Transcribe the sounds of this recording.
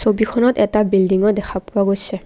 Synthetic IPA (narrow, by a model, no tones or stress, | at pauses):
sobikʰɔnɔtɛtabildiŋɔdɛkʰapʊaɡojsɛ